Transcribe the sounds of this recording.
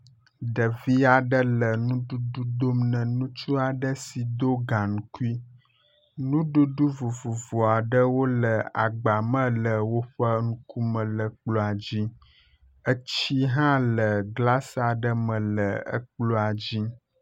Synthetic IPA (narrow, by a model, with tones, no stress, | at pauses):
ɖə˨vi˦a˨ɖə˦lə˨nũ˦ɖu˦ɖu˦d̪o˦mnə̃˨nũ˦t͡ʃu˦a˨ɖə˦si˨d̪o˦ɡã˨nũ˨ku˦i˦ | nũ˦ɖu˦ɖu˦vu˨vu˨vo˨a˨ɖə˦wo˦lə˨a̰˨ɡ͡ba˨mə̃˦lə˨wo˦ɸə˦ŋũ˦ku˦mə̃˨lə˨k͡plo˦a˨d͡ʑi˦ | ə˦t͡ɕi˦ɦã˦lə˨ɡla˦sa˨ɖə˦mə̃˨lə˨ə̰˦k͡plo˦a˨d͡ʑi˦